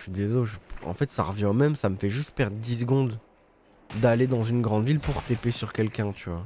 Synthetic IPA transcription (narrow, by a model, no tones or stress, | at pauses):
ʃɥid̪ezoʒəpɑ̰̃fɛt̪sa̰ʁəvjɛ̃omɛmsaməfɛʒyst̪̚pɛʁd̪ʁəd̪is̬ɡɔ̃d̪ | d̪aled̪ɑ̃zynɡʁɑ̃d̪vilpuʁt̪epesyʁkʲɛlkʲɛ̃t̪ʰyva